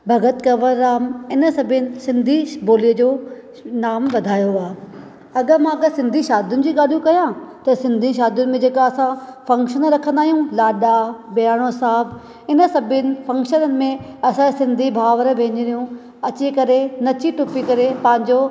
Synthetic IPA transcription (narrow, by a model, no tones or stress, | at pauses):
bʱɐɡət̪kɐʋəɾːaːmɪnə̆sɐbʱɪnɪ̆sɪ̃nd̪ʱiboːliəd͡ʑoː | naːmʋɐd̪ʱaːjoaː | ɐɠə̆mãɐɡəsɪ̃nd̪ʱiʃaːd̪jʊnɪ̆d͡ʑiːɠaːlijũkɐjãt̪ɐsɪ̃nd̪ʱĩʃ̬aːd̪jʊnɪ̆mẽd͡ʑeːkaɐsãfɐ̃ŋkʃənɾɐkʰə̃nd̪aːijũlaːɗabɪjaːɽ̃osaːɦəb | ɪnə̆sɐbʱɪnɪ̆fɐ̃ŋkʃənəmẽɐsãsɪ̃nd̪ʱibʱaːʋəɾbʱẽːɲɪɾijũ | ɐt͡ɕikɐɾenɐt͡ɕiʈʊpikɐɾepɐ̃ɦɪ̃ɲd͡ʑoː